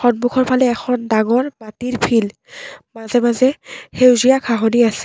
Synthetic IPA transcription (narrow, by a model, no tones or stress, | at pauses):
xɔnbukʰɔɹpʰalɛːxʰɔndaŋɔɹmatiɹpʰil | mazɛmazɛhewzijakʰaɦoniasɛ̥